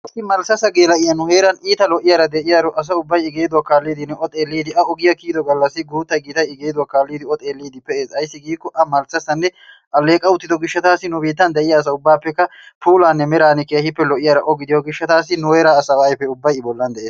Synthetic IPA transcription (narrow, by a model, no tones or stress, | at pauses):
ɐsːɪmɐlsɐsɐɡeːlɐʔɪjɐnʊhe̞ːɾɐniːt̪ɐlɔʔɪjaɾɐd̪ɛʔɪjaɾɔʔɐs̬ɐʊbːɐjɪɡe̞ːd̪ʊwakːaːlːiːd̪ɪnːɛʔɔt̪ʼe̞ːlːiːd̪ɪʔɐɔɡɪjɐkiːd̪ɔɡɐlːɐsːɪɡuːt̪ːɐɡiːt̪ɐjɪɡeːd̪ʊwakːaːlːiːd̪ɪɔt̪ʼeːlːiːd̪ɪpɛʔe̞ːsɐjsːɪɡiːkːɔʔɐmɐlsɐsɐnːɛ | ʔɐlːe̞ːkʼɐʊt̪ːɪd̪ɔɡɪʃːɐt̪aːsɪnʊbiːt̪ːɐnd̪ɛʔɪjaːs̬ɐʊbːaːpːɛkːɐpuːlaːnːɛmɛɾaːnɪkeːhɪpːɛlɔʔɪjaɾɐʔɔɡɪd̪ɪjɔɡɪʃːɐt̪aːs̬ːɪnʊheːɾaːsɐwajpːɛʊbːɐjɪbɔlːɐnd̪ɛʔeːs